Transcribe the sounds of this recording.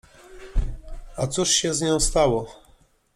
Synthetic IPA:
at̪suʂɕɛzɲɔ̃w̃st̪awɔ

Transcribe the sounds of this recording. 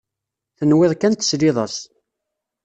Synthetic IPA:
θənwɪðˤkænt̪sliðˤɑs

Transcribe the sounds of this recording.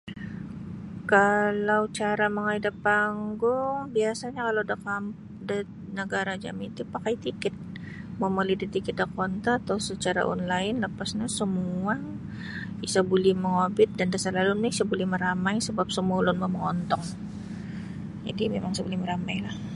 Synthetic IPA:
kalawt͡ʃaɾaməŋaidapaŋɡʊŋbiasaɲakalawdakam | da | nəɡaɾad͡ʒa̰mit̪upakajt̪ikɪt̪̚ | maməlidit̪ikit̪̚d̪akɔnt̪aːt̪awsət͡ʃaɾa̰ʔɔ̰nlaɪnləpasɲasəmua | isabulɛhməŋobɪt̪̚dandasalalunmɪisabulɛhməɾamajsəbap̚səmualʊnmaməŋɔnt̪ɔŋ | d͡ʒa̰dimemaŋsabulɛhməɾamajlah

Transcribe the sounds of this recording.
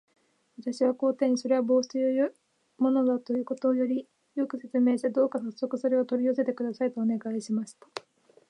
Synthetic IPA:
βat̪aɕiβ̞ako̞ːt̪ẽ̞ɲ̟ːiso̞ɾe̞βabo̞ːsɨ̥t̪ejojɯ | mo̞no̞d̪at̪o̞jɯ̟ːko̞t̪o̞ːjo̞ɾʲi | jo̞kɯ̟se̞t͡sɨme̞ːɕi̥t̪e̞d̪o̞ːkasosːo̞kɯ̟so̞ɾe̞o̞t̪o̞ɾʲiose̞t̪e̞kɯ̟d̪asait̪o̞ːne̞ɡaiɕimaɕi̥t̪ḁ

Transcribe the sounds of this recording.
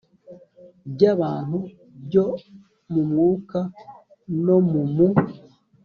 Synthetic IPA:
bɟaβaːn̥hu | bɟo | mumŋuːka | nomumu

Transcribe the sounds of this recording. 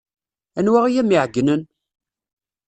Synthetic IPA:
ænwæʁijæmiʕɡːnən

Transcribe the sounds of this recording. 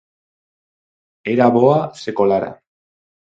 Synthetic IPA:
eɾaβoasekolaɾa̰

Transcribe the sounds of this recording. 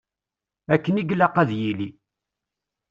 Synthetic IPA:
ækːəniɡlæqæðjili

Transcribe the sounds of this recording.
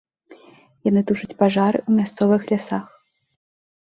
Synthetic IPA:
janɨt̪uʂɨt͡sʲpaʐaɾɨ̰umʲast̪sɔvɨxlʲasax

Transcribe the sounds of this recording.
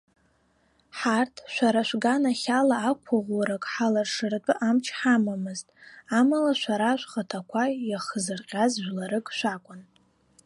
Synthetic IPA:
ħartʰʃʷaɾaʃʷɡanaχʲalaːkʷʰaʁʷaɾakʼħalarʂɨrt͡pʼɨʔamt͡ʃʰħamamɨztʼamalaʃʷaɾaʃʷχatʰakʷʰajaχəzɨrqʲʼazʒʷᶣlaɾɨkʼʃʷakʷʼʊn

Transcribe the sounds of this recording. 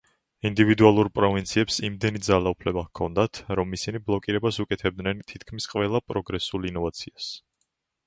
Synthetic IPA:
ind̪ivid̪ualˠuɾpʼɾɔvint̪sʰiɛpsimd̪ɛnid̪zalaupʰlɛbakʰɔ̰nd̪at̪ʰɾɔmisiniblˠɔkʼiɾɛbasukʼɛt̪ʰɛb̚d̪nɛnt̪ʰit̪ʰkʰmisqʼvɛlˠapʼɾɔɡɾɛsulˠinɔvat̪sʰias

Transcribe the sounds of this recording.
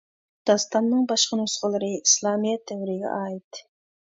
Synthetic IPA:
d̪̥ɑst̪ɑnːɨŋbɑʃqənusqəlˠɨɾɨislˠɑːmijɛt̪̚d̪ɛwɾiɡʲɛ̰ʔɑːit̪

